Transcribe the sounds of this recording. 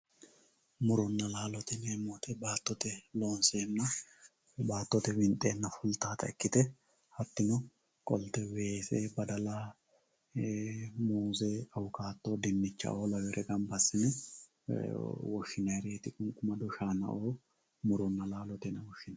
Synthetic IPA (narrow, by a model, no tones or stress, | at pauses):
mʊɾʊnːɐlaːlɔt̪ɛneːmɔːt̪ʰɛbaːt̪ːɔt̪ɛloːnseːnːɐ | baːt̪ːɔt̪ɛwɪnt̪ʼːeːnːɐfʊlt̪aːt̪ɐɛkːɪt̪ɛ | hɐt̪ːɪnɔ | kʼɔlt̪ɛweːseːbɐd̪ɐlaː | muːzɛɐwʊkaːt̪ːoːd̪ɪnːɪt͡ʃːɐ̰ʔoːlɐwɛɾʔɛɡɐmbɐsːɪnɛ | wɔʃːɪnɐjɾeːt̪ɪkʼʊŋkʼːʊmɐd̪ʊʃaːnɐ̰ʔoː | mʊɾʊnːɐlaːlɔt̪ɛnɛwɔʃːɪnɐ